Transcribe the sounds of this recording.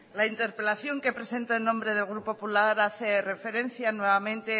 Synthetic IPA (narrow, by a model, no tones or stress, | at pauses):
laint̪e̞ɾpe̞laθjo̞ŋkepɾe̞se̞nt̪oenõ̞mbɾe̞ð̞e̞lɣɾupopulaɾaθe̞re̞fe̞ɾe̞n̟θjanwe̞βamẽnt̪e